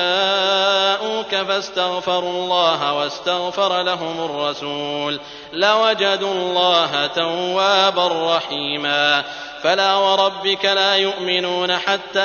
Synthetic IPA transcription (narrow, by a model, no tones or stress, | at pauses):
a | ʔuːkafast̪aɣfɑɾˤuːlˤːɑːɦawast̪aɣfɑɾˤlaɦʊmarˤːɑsuːl | lawad͡ʒad̪uːlˤːɑːɦat̪awːaːbarˤːɑħiːmaː | falaːwɑɾˤɑbːɪkalaːjʊʔmɪnuːnaħat̪ːaː